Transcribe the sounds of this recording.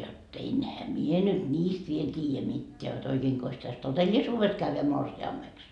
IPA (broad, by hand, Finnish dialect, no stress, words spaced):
jotː enhæ mie nyt nʲiːst ʋiel tʲiːjæ mitːeæ jot oikeːŋkos tæs totelːisuːʋes kæʋːæ morsiɑmːeks